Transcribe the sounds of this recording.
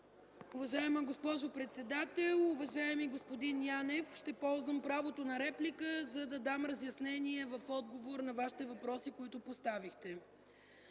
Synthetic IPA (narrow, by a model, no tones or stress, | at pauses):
ʊvɐʒaɛməɡospɔʒʊpɾɛt̪sɛd̪at̪ɛlˠʊvɐʒaɛmiɡospod̪injanɛfʃt̪ɛpɔlˠzvəmpɾavot̪onɐɾɛplikəzɐd̪ɐd̪amɾɐzjɐsnɛniɛvɐfɔd̪ɡovoɾnɐvaʃi̥t̪ɛvɐpɾɔsikoit̪ʊpost̪avixt̪ɛ